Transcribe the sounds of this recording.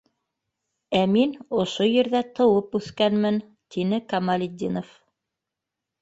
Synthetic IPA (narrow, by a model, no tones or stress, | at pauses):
æminŏʃojɘ̆ɾðæt̪ɤ̆wɤpʉθkænmɘn | t̪inɘkɑmalʲɪd̪ʲːinof